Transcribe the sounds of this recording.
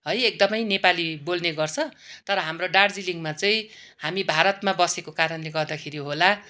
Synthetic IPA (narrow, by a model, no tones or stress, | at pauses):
ɦʌjek̚d̪ʌmʌjnepalibolneɡʌrt͡sʰʌ̃t̪ʌɾʌɦamroɖaɽd͡ziliŋmat͡sʌĩ | hamibʱaɾʌt̪mabʌsekokaɾʌnleɡʌrd̪akʰeɾiɦola